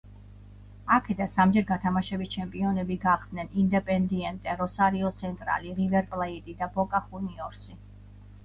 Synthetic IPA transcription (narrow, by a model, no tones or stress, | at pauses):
akʰɛd̪ansamd͡ʒɛɾɡat̪ʰamaʃɛbist͡ʃʰɛmpʼiɔnɛbiɡaχd̪nɛnind̪ɛpʼɛnd̪iɛnt̪ʼɛɾɔsaɾiɔt̪sʰɛnt̪ʼɾa̰liʁivɛɾpʼlˠɛit̪ʼid̪abɔkʼaχuniɔɾsi